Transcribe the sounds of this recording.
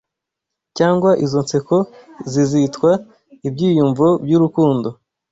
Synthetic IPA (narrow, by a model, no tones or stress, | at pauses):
caːŋɡwaʔizo̞nt͡se̞ko̞zizitkwa | ibɟiːjuɱvobjuɾukuːndo